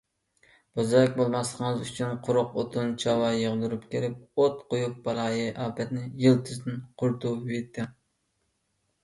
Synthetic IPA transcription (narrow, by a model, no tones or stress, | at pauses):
b̥ozɑlɪk̚ʲbolˠmɑslˠəqʰəŋɨzyt͡ʃʰynqʰʊɾʊqot̪ʰunt͡ʃʰɑwɑjəʁd̪uɾupkʲʰeɾɪp̚ot̪qojuq̚bɑɾˠɑːjɨʔɑːpʰɛt̪nɪjɨlˠt̪ʰɨzd̪ɪnqʰʊɾt̪ʰupvet̪ʰːɪ